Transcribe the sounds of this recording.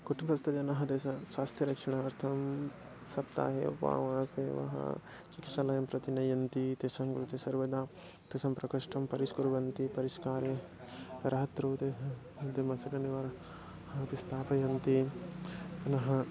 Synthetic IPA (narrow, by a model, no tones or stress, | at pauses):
kuʈʰimsɐst̪ʰɐd͡ʒɐnɐɦɐd̪esɐswaːst̪ʰjɐɾɐkʂɐɽ̃ɐɐɾt̪ʰɐm | sɐpt̪a̰ːɦḛṵpa̰ʋɐɦãseʋɐ̰ɦɐ̰ | t͡ʃikit̪ʃalɐjɐmpɾɐt̪inɐjɐnt̪it̪esɐmkɾut̪ʰɐsɐɾʋɐd̪aː | t̪esɐmpɾɐkɐʂʈʰɐmpɐɾiskuɾʋɐnt̪ipɐɾiʃkaːɾe | ɾɐɦɐt̪ɾoːt̪e | d̪emɐsɐkɐniʋɐɾ | pist̪ʰaːpɐjɐnt̪i | ɐnɐɦɐ